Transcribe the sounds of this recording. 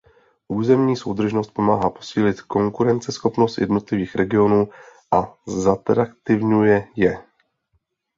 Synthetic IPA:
ʔuːzɛmɲiːso̞wd̪r̩ʒno̞st̪̚po̞maːɦaːpo̞siːlɪt̪ko̞ŋkuɾɛnt͡sɛsxo̞pnost̪jɛ̰dno̞t̪lɪviːxɾɛɡɪo̞nuːʔazat̪ɾakt̪ɪvɲujɛjɛ

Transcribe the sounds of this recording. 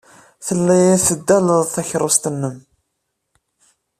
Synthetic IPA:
θəlːæjæθəd̪ːæləðθæçɾˤʊst̪ənːəm

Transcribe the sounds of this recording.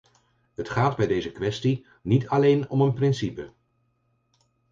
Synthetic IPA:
ɦətχaːdbɛjdejzəkʋɛsti | nitʰɑlejnɔmənprɪnsipə

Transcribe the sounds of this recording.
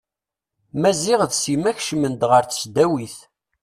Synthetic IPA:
mæziʁðsimæçʃmənd̪ʁəɾθə̥sd̪æwiθ

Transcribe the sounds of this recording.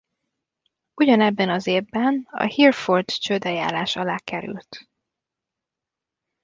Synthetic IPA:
uɟɒnɛbːɛnɒzeːbːɛnɒ̰hirfort̪t͡ʃød̪ɛja̰ːlaːʃɒlaːkɛɾy̰lt̪

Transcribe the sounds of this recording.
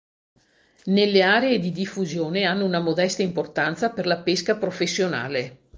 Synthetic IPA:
nelːeaːɾeed̪id̪ifːuzjoːneanːounamod̪ɛst̪aimport̪ant̪saperlapeskapɾofesːjona̰ːle

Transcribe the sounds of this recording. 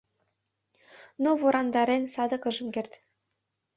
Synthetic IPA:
novuɾɑnd̪ɑɾensɑd̪ɤ̆kɤ̆ʒɤ̆mkert̪ʲ

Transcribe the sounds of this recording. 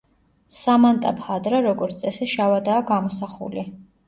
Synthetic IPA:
samant̪ʼapʰχad̪ɾaɾɔɡɔɾt̪sʼɛsiʃavad̪aːɡamɔsaχṵli

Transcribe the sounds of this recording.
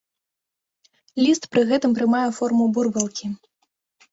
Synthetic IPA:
lʲist̪pɾɨɣɛt̪ɨmpɾɨmajɛfɔrmuburbɛlˠkʲi

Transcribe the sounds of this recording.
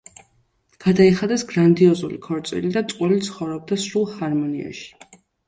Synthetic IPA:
ɡ̥ad̪aiχad̪ɛsɡɾand̪iɔzulikʰɔɾt̪sʼḭlid̪at̪sʼqʼwɛlit̪sʰχɔvɾɔb̚d̪asɾulˠhaɾmɔnia̰ʃi̥

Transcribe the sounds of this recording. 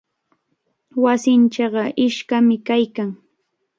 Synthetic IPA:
wasɪnt͡ʃɑɢɑʔɪʃkamɪkajkaŋ

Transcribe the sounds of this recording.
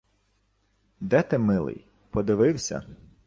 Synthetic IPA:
d̪ɛt̪ɛmɪlˠɪ̰j | pɔd̪ɪʋɪwsʲɐ̰

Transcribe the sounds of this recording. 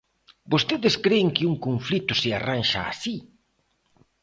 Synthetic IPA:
bost̪eðɪskɾeːŋkɪuŋkoɱflit̪ʊsɪaranʃa̰ːsi

